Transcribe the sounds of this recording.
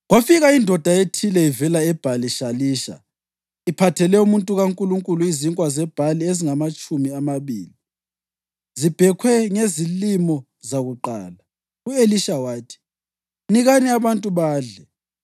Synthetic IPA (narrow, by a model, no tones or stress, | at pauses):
ɣwafiɣaindʱɔd̥ʱaetʰilɛivɛlaɛb̥ʱaliʃaliːʃa̰ | ipʰatʰɛlɛumuntʼuɣaŋkʼuluŋkʼuluiziŋkʼwazɛb̥ʱalieziŋamat͡ʃʼumiamaβiːli | zib̥ʱɛkʰwɛŋezilimɔ | zaɣuǃa̰ːla | ueliʃawaːtʰi̥ | niɣaniaβantʼuβaːɮɛ